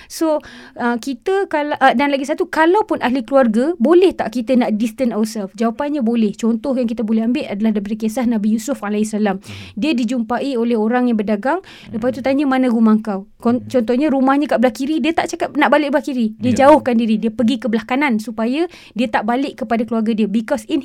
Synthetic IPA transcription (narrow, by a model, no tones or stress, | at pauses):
soəkit̪əkalaʔdanlaɡisat̪ukalawpʊnʔaɦlikəluarɡabolɛht̪a̰ʔkit̪ənaʔdist̪ənawəsɛlfd͡ʒawapanɲãbolɛht͡ʃɔnt̪ɔhjaŋkit̪abolɛhɦambɪʔ̪adalahdap̬adəkesahnãbijusʊfalaisalamdiədid͡ʒumpaʔiolɛhoɾaŋjaŋbərdaɡaŋ | ləpasit̪ut̪aɲamanãɡumaŋkaw | ɔt͡ʃɔnt̪ɔhɲãɾumahɲãkaʔbəlahkiɾidiət̪aʔt͡ʃakap̚naʔbalɪʔk̚bəlahkiɾidiəd͡ʒaʊhkandiɾidiəpəɡikəbəlahkanansupaja | diət̪aʔbalɪʔkːəpadakəluarɡadiəbikɔsin